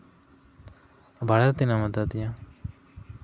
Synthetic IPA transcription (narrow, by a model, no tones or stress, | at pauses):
baɽat̪inamat̪at̪ijã